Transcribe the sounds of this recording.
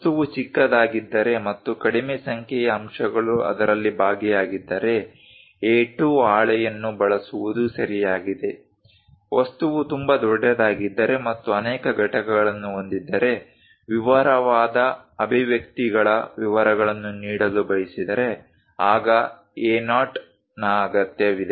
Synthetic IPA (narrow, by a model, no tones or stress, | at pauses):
t̪uʋut͡ʃikːɐd̪aːɡid̪ːɐɾe̞mɐt̪ːukɐɽimesɐŋkʰɛjɐːmʂɐɡɐɭuɐ̰d̪ɐɾɐlːibʱaːɡɛjaːɡid̪ːɐɾe̞ | eːʈuaːɭɛjɐnːubɐɭɐsuʋud̪usɐɾijaːɡid̪e̞ | ʋɐst̪uʋut̪umbɐd̪ɔɖːɛd̪aːɡid̪ːɐɾe̞mɐt̪ːuɐnɛːkɐɡɐʈɐkɐɡɐɭɐnːuo̞nd̪id̪ːɐɾe̞ | ʋiʋɐɾɐʋaːd̪ɐɐbʱiʋjɐkt̪iɡɐɭɐʋiʋɐɾɐɡɐɭɐnːuniːɽɐlubɐjisid̪ɐɾe̞ | aːɡɐ | eːnaːʈ | naːɐɡɐt̪jɐʋid̪e